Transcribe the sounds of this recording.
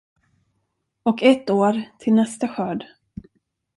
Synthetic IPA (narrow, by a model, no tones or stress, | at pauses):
ɔkɛt̪ːoːɾt̪ʰɪlnɛst̪aɧœːɖ